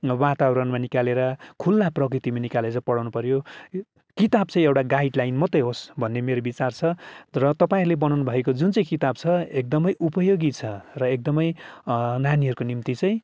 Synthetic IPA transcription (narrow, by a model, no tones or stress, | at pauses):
wat̪awɾʌnmanikaleɾʌkʰulːaprʌk̬rit̪imanikaled͡zʌpʌɽawnupʌɾjo | kit̪abt͡sʰʌ̃j̃ewʈaɡajɖlajnmʌt̪ʌjɦosbʱʌnːemeɾobit͡sart͡sʰʌrʌt̪ʌpaĩɾulebʌnawnubʱʌekod͡zunt͡sʌj̃kit̪ab̚t͡sʰʌek̚d̪ʌmʌjʔupʌjoɡit͡sʰʌrʌek̚d̪ʌmʌjnaniɦʌɾukonimt̪it͡sʌ̃j̃